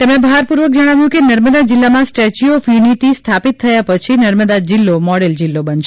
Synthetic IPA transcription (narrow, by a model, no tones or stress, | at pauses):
t̪emɽ̃ẽbəɦaɾpuɾʋək̚d͡ʒəɽ̃aʋjũkenəɾməd̪ad͡ʒɪlːamãsʈet͡ʃioːfjuniʈist̪ʰapit̪ʰːəjapət͡ʃʰinəɾməd̪ad͡ʒɪlːomɔɽeld͡ʒɪlːobənʃe